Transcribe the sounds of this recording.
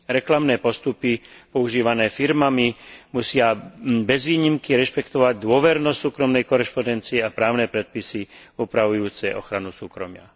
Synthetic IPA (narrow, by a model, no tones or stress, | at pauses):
ɾɛklamnɛːpɔst̪upipɔuʒiːʋanɛːfiɾmamimusɪabɛzʋiːɲimkiɾɛʃpɛkt̪ɔʋaɟ̚d̪ʊɔʋɛɾnɔstsuːkɾɔmnɛjkɔɾɛʃpɔnd̪ɛnt͡siɛapɾaːʊnɛːpɾɛt̪̚pisi | uːpɾaʋujuːt͡sɛʔɔ̰xɾanusuːkɾɔmɪa̰